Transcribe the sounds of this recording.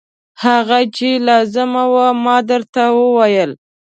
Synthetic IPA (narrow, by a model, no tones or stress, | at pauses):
haɣat͡ʃelɑzɪmawamɑd̪əɾt̪awəwajəl